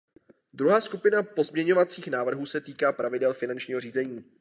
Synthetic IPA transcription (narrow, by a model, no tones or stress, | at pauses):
d̪ɾuɦaːskupɪnapo̞zmɲɛɲo̞vat͡siːxnaːvr̩ɦuːsɛt̪iːkaːpɾʔavɪdɛlfɪnant͡ʃɲiːɦoriːzɛɲiː